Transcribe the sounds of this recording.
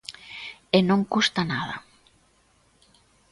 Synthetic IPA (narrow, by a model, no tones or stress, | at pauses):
enõŋkust̪anaða̰